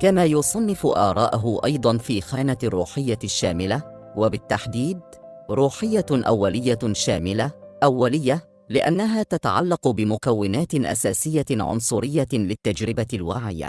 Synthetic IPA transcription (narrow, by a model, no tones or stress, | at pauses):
kamaːjʊsˤɑnːɪfʊʔɑːɾˤɑːʔaɦʊʔɑjd̪ˤɑnfiːxaːnarˤːṵːħɪjːaʃːaːmɪla | wabɪt̪ːaħd̪iːd̪̚ | ɾˤuːħɪjːaʔa̰wːalɪjːaʃaːmɪlaʔawːalɪjːa | lɪʔa̰nːaɦaːt̪at̪aʕa̰lːɑqʊbɪmʊkawːɪnaːt̪ɪnʔa̰saːsɪjːaʕʊ̰nsˤʊɾɪjːalɪt̪ːad͡ʒɾɪbalwaːʕɪ̰ja̰